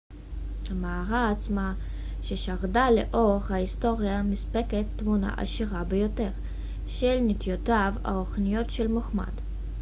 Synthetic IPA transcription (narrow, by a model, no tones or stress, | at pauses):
hamaːʁaːt͡sma | ʃe̞ʃaʁdale̞̰ʔo̞χhaisto̞ʁjamispe̞ketːmuna̰ʔa̰ʃiʁabe̞jo̞te̞ʁ | ʃelnitjotava̰oχnijo̞tʃe̞lmoχma̰d̥